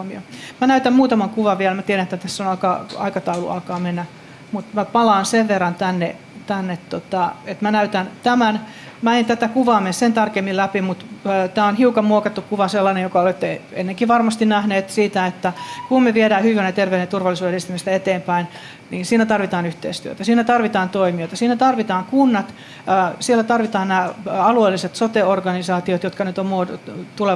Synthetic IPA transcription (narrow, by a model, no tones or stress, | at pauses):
mio̰mænæyt̪æmmuːt̪ɑmɑŋkuʋɑʋʋiɛlmæt̪ieɾænet̪ːæt̪æsːonɑkɑɑ̰ikɑt̪ɑulṵɑ̰lkɑːmenːæ | mut̪mæpɑlɑːnseʋʋerːɑnt̪ænːḛ | t̪ænːet̪tot̪ɑet̪mænæyt̪ænt̪æmæn | mæent̪æt̪ækuʋɑːmenssent̪ɑrkemːillæpimut̪ːt̪æːonhiukɑmmuokɑt̪ːukkuʋɑselːɑnejokɑolet̪ːeḛnːeŋkiʋɑrmɑst̪innæhneːt̪siːt̪æet̪ːækummeʋiedæːhyʋænet̪erʋeynent̪urʋɑlːˑisuːseist̪imist̪æet̪eːmpæin | niːnsiːnæt̪ɑrʋit̪ɑːnyht̪ḛist̪yøt̪æsiːnæt̪ɑrʋit̪ɑːnt̪oimiot̪ɑsiːnæt̪ɑrʋit̪ɑːŋkunːɑt̪ː | sielːˑæt̪ɑrʋit̪ɑːnnæːɑlueːlːiset̪sot̪eorɡɑnisɑːt̪iot̪jot̪kɑnyt̪ommuot̪ule